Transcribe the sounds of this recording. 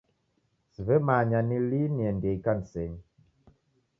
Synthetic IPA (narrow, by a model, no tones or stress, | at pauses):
sivɛmaːɲaniliniɛndekansɛɲ